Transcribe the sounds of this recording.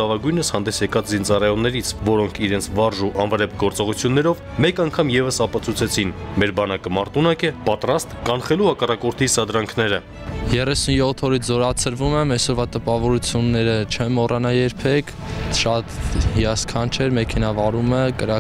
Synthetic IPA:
ɑvɑɡujnəshɑnd̪ɛsjɛkɑt͡szint͡sɑrɑjɔnːɛɾit͡sʰvɔɾɔŋkʰiɾɛnt͡sʰvɑɾʒuʔɑnvəɾɛp̚ʰɡɔɾt͡sɔʁut͡sʰjunːɛɾɔv | mɛkɑŋkʰɑmjɛvəsɑpɑt͡sʰut͡sʰɛt͡sʰinmɛɾbɑnɑkəmɑɾt̪unɑkɛpɑt̪rɑst̪kɑnχɛluhɑkɑrɑkɔɾt̪ʰisɑd̪ɾɑŋkʰnɛɾə | jɛrɛsunjɔt̪ʰːɔɾit͡sʰzɔɾɑt͡sʰəɾvumɛmɛsɔɾvɑt̪əpɑvɔɾut͡sʰjunːɛɾət͡ʃʰɛnmɔrɑnɑjɛɾpʰɛkʰ | ʃɑt̪hiɑskʰɑnt͡ʃʰɛɾmɛkʰɛnɑvɑɾuməkəɾɑ

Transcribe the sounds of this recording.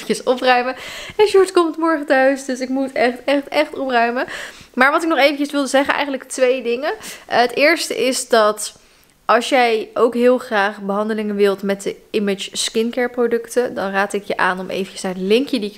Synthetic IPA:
əsɔprœɥməɛnʃuɹtkɔmtmɔɹχətœɥsdɵsɪkmutɛχtɛχtɛχtɔprœɥməmaːɹʋɑtɪknɔχejvəncəsʋɪlˠdəzɛχənʔɛ̰jχənələktʋejdɪŋəətɪːɹstə̰ʔɪzdɑt | ʔɑlˠsjɛjʔowkɦɪːlˠχraːχbəɦɑndəlɪŋənʋɪlˠtmɛt̚dəɪmɪt͡ʃskɪnkɛɹprodɵktədɑnraːtɪkjəʔaːnɔmʔḛjvəcə̥saːɹdəlɪŋkjədiɪk

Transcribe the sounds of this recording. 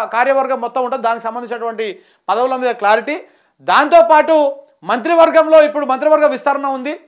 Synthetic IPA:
kaːɾjɐʋɐɾɡɐmːɔt̪ːɐmuɳʈund̪d̪aːnikisɐmbɐnd̪iɲt͡ʃinɐʈuʋɐɳʈi | pɐd̪ɐwulɐmiːd̪ɐklaːɾiʈi | d̪aːnt̪o̞ːpaːʈu | mɐnt̪ɾiʋɐɾɡɐmlo̞ːipːuɽumɐnt̪̬ɾiʋɐɾɡɐmʋist̪ɐɾɐɳɐund̪i

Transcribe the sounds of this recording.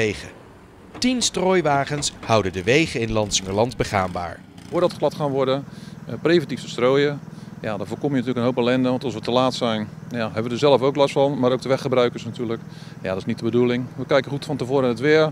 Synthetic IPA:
ejχə̰ | tinstroːjʋaːχənshʌwdədəʋejχəɪnlɑntsɪŋəɹlɑndbəχa̰ːmba̰ːɹ | vʊːdɑtχlˠɑtχaːnʋɔɹdəprejvɛntiftə̥stroːjəja̰dɔːvoːkɔmjəntyːləkənɦowlpɛlɛndəʋɑntɑlˠsʋətəlaːtsɛjnjaɦɛbəʋədəɹzɛlˠəfowklɑstfɑnmaːɾowk̚təʋɛχəbrœɥkəɹsnatyːlək | ja̰dɔtɪsnit̚dəbədulɪŋʋəkɛjkəχutfɑntəvʊːɾənətʋɪəɹ

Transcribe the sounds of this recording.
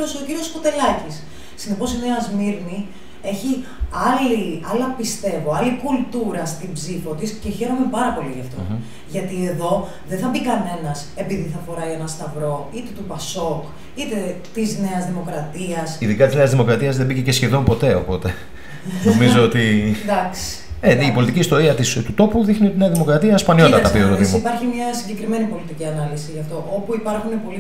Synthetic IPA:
osociɾio̞spot̪e̞lɐcisː | ine̞posine̞ɐzmiɾni | e̞çiɐliɐlɐpist̪e̞voɐlikult̪uɾɐst̪ibzifo̞t̪isce̞çe̞ɾo̞me̞pɐɾɐpo̞liʝɐft̪o̞ | ʝɐt̪ie̞ðo̞ | ðenθɐbikɐne̞nɐse̞piðiθɐfo̞ɾɐienɐst̪ɐvɾo̞it̪e̞t̪upɐso̞k | it̪et̪izne̞ɐzðimo̞kɾɐt̪iɐsiðikɐt̪izneɐzðimo̞kɾɐt̪iɐzðebicece̞sçe̞ðo̞mpo̞t̪e̞o̞̰po̞t̪e̞ | nnomizo̞ot̪id̪ɐksi̥eipo̞lit̪iciːst̪o̞ɾiɐt̪ist̪ut̪o̞puðixnio̞t̪ineɐðimo̞kɾɐt̪iɐspɐnio̞t̪ɐt̪ɐpiot̪oðimoipɐɾçimɲɐsiɲɟe̞kɾime̞nipo̞lit̪iciɐnɐlisiʝɐft̪o̞ʔo̞puipɐɾxune̞po̞li

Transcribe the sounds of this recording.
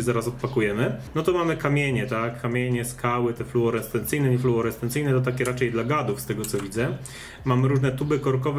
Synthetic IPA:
zaɾasɔt̪pakujɛmɘnɔt̪ɔmamɘkamʲeɲɛt̪akːamʲjeɲɛskawɘt̪ɛfluɔɾɛst̪ɛnt̪sɘjnɛɲɛfluɔɾɛst̪ɛnt̪sɘjnɛt̪̬ɔt̪akʲɛɾat͡ʂɛjd̪laɡad̪ufst̪ɛɡɔt̪sɔvʲid̪zɛ | mamɘɾuʐnɛt̪ubɘkɔɾkɔv

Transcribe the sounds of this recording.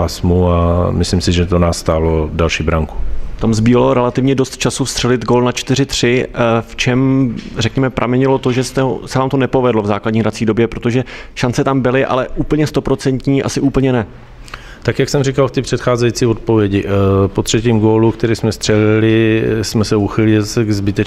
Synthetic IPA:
aːsmuamɪslimsɪʒɛt̪onaːsst̪aːlodalʃiːbɾaŋku̥t̪amzbiːvaloɾɛlat̪ɪvɲɛdost̪t͡ʃasufst̪r̥ɛlɪd̪ɡoːlnat͡ʃt̪ɪɾɪt̪r̝̥ɪft͡ʃɛmrɛkɲɛmɛpɾʔamɛɲɪlo̞t̪oʒɛst̪ɛɦo̰sɛvaːmt̪o̞nɛpo̞vɛdlovzaːkladɲiːɦdɾat͡siːdo̞bjɛpɾo̞t̪oʒɛʃant͡sɛt̪ambɪlɪʔa̰lɛʔuːpl̩ɲɛst̪o̞pɾo̞t͡sɛnt̪ɲiːʔa̰sɪʔuːpl̩ɲɛnɛ | t̪akjaksɛmrɪkalft̪ɪpr̝̥ɛt̪xaːzɛjit͡sɪot̪̚povjɛɟɪpot̪r̝̥ɛciːmɡoːlukt̪ɛɾiːsmɛst̪r̥ɛlɪlɪsmɛsɛuxɪlɪɪzsɛɡzbɪt̪ɛt͡ʃ

